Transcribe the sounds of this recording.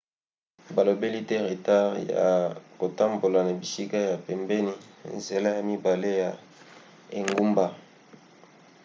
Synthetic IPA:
ba˨lo˨be˦li˦tɛ˦ʁe˨ta˦ʁja̰˨ko˨ta˦mbo˨la˨na˨bi˨si˦ka˦ja˨pɛ˨mbɛ˦ni˦˨nze˨la˦ja˨mi˦ba˨le˦ja˨ | e˨ŋɡu˦mba˦

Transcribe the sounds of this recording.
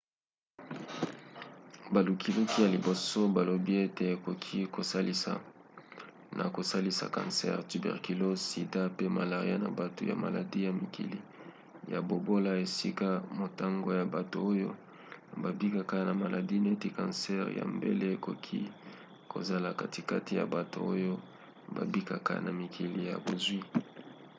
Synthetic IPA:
ba˨lu˨kʰi˨lu˦ki˦ja˨li˨bo˨so˦ba˨lo˨bi˦e˦te˨e˨ko˨kʰi˦ko˨sa˦li˦sa̰˨ | nʔa̰˨ko˨sa˦li˦sa̰˨kã̰˨nsɛ̰˦ʁty˨bɛ̰˨ʁki˨lo˦si˨da˦pe˦ma˨la˨ʁi˦a̰˦na̰˨ba˨to̰˨ja̰˨ma̰˨la̰˨di˦ja˨mi˨kḭ˨lḭ˦ | ja˨bo˨bo˦la˦e˨si˦ka˦mo˨ta˦ŋɡo˦ja˨ba˨to˨o˦jo̰˦ | ba˨bi˦ka˨ka˦na˨ma˨lʔa˨di˦ne˦ti˦kã˨nsɛ˦ʁja̰˨mbḛ˦le˦e˨ko˦kʰi˦ | kʰo̰˨za˨la˨ka˦ti˨ka˦ti˨ja̰˨ba˨to̰˨o˦jo˦ | ba̰˨bi˦ka˨ka˦na˨mi˨kʰi˨li˨ja̰˨bo˨zwi˦

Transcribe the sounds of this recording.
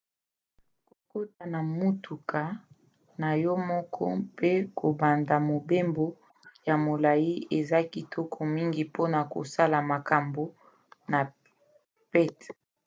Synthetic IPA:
ko̥˨ko˦ta˨na˨mu˦tu˨kʰa˨ | na˨jɔ˦mɔ˦kʰɔ˦pe˦ko˨ba˨nda˨mo˨be˦mbo˨ | ja˨mo˨la˨ji˦e˨za˦ki˨tʰɔ˦kʰɔ˨mi˦ŋɡi˨po˦na˨ko̰˨sa˦la˨ma˨ka˨mbo˨˦ | na˨ | pɛ˦t

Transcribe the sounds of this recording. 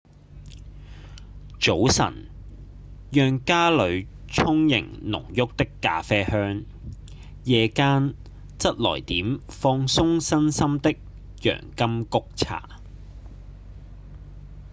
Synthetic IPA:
t͡so˨˥wsɐ̰˨˩n | jœː˨˧ŋkaː˥lɵ˨˧ɥ | t͡sʰʊ˥ŋjɪ̰˨˩ŋnʊ̰˨˩ŋjʊ˥k̚t̪ɪ˥kːa̰ː˧fɛː˥hœː˥ŋ | jɛː˨˧kaː˥n | t͡sɐ˥t̚lɔ̰ː˨˩jt̪iː˨˥mfɔː˧ŋsʊ˥ŋsɐ˥nsɐ˥mt̪ɪ˥k̚ | jœ̰ː˨˩ŋkɐ˥mkʊ˥k̚t͡sʰa̰ː˨˩

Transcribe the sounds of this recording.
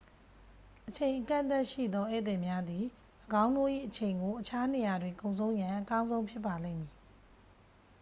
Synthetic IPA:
ʔət͡ɕʰẽ˨ɪ̃ʔəkã̰˦˨nt̪a˦ʔʃḭ˦˨d̪ðɔ˦ʔɛ̰˦˨t̪ɪ̃˨mja˦d̪i˨ | ʔəɡã˦ʊ̃ndo̰˦˨ʔḭ˦˨ʔət͡ɕʰẽ˨ɪ̃ŋɡo˨ʔət͡ɕʰa˦ne˨ja˨dwɪ̃˨ŋkõ˨ʊ̃sʰõ˦ʊ̃jã˨ʔəkã˦ʊ̃zõ˦ʊ̃mpʰjɪ˦pːa˨lẽ˦˨mji˨

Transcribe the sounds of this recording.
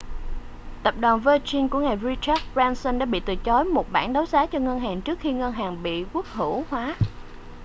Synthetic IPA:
t̪ə˨˩p̚ɗwaː˨˩nvəː˧t͡ɕi˧nku˧˩əŋaː˨˩jvi˧t͡ɕɛː˦˥t̚zaː˧nsə˧nɗa̰ː˧˥ɓḭ˧˨t̪ɨ˨˩t͡ɕɔ˨˦jmo˨˩t̚ɓaː˧˩nɗa˨˦wzaː˨˦t͡ɕɔ˧ŋə˧nɦaː˨˩ŋt͡ɕɨ˦˥ək̚xi˧ŋə˧nɦaː˨˩ŋɓḭ˧˨ku˦˥ək̚hɨ˧˩˨hwaː˨˦

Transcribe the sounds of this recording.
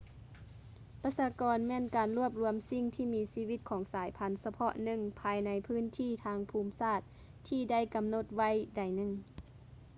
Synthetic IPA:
pa˧˥saː˧˦kɔː˨nmɛː˧˥˨nkaː˨˩nlu˧˥˩əp̚lu˧əmsi˧˥ŋt̪ʰiː˧˩miː˧˥siː˧ʋi˧˥t̪̚kʰɔː˨˩˦ŋsaː˨˦jpʰa˧˥nsa˧pʰɔ˧ʔnɯ˧˩ŋpʰaː˧jna˧˥jpʰɯː˧˥˨nt̪ʰiː˧˥˨t̪ʰaː˧ŋpʰuː˧˥msaː˧˥˩t̪̚ʰː | iː˧˩da˥˩˨jka˨mno˧˩t̪̚ʋa˧˥˨jda˨˩jnɯ˧˩ŋ

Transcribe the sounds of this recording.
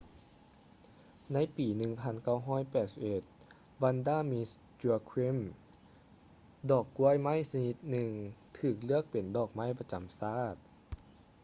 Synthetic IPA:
na˧˥˨jpiː˨˩nɯ˨˩ŋpʰa˧˥nka˧˥˩wɦɔː˧˥˨jpɛː˨˩t̪̚si˨˧pʔe˨˩t̪̚ | ba˧˥ndaː˧˥˨mi˧˥s | t͡ɕu˧ɐ˧kʰwe˦˥˩m | dɔː˨˩kːu˧˥ə˨jma˦˥˨jsa˧ni˧˥t̪̚nɯ˨˩ŋt̪ʰɯː˧˩k̚lɯ˥˩ək̚pe˨˩ndɔː˧˨˩k̚ma˦˥˨jpa˧t͡ɕa˨˩msaː˥˩t̪̚

